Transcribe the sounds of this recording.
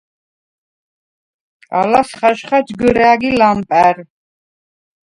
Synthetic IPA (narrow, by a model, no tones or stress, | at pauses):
kʼa̰lasχaʃχad͡ʒɡəɾɛaɡilampʼɛɾ